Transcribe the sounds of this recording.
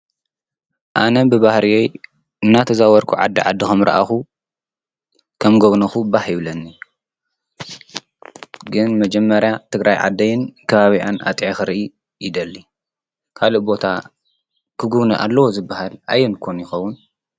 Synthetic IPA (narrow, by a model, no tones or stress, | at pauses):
ʔanɐbɨβahɾiwoj | ɨnːat̪ʰɐzawɐɾkʰuʕa̰d̪ːiʕa̰d̪ːixɐmɾɐ̰ʔa̰xu | kʰɐmɡoβnɐxubahjɪβlɐnːi | ɡɨnmɐd͡ʒɛmːɐɾjat̪ʰɨɡɾʔajʕa̰d̪ːɐjɪnkʰɐβaβiʔana̰t̪ʼʕaxɨɾiʔi | jid̪ɐlːi | kʰaloʔbo̞t̪ʰa | kʰɨɡuβnɐʔa̰lːɐwozɨbːahalajːɛnkʰonjɪxɐwːʊn